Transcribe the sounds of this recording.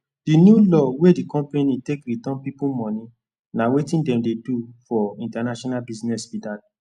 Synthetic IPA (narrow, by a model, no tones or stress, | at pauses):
d̥injulɔwedikɔ̃mpenĩtekɾitɔ̃npipumɔ̃nĩ | nawetĩndɛ̃mdedufɔĩntanaʃɔnalbiznɛsfidad